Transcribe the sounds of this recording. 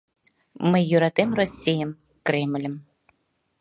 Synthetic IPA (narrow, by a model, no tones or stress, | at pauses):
mɪjʊɾɐt̪ɪmɾɔsʲijɐm | kɾɛmlʲɐm